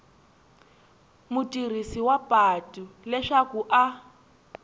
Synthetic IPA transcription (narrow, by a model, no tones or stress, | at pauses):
mutʼir̤isiwapʼatʼulɛʃakuʔa